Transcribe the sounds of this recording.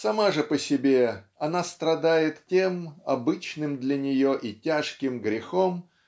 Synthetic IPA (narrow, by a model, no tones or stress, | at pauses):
sɐmaʐɨpəsʲɪbʲe̞ɐnast̪ɾɐd̪ajɪt̪tʲemɐ̰bɨt͡ɕnɨmd̪lʲɐnʲɪjoʔitʲaʂkʲɪmɡɾʲɪxom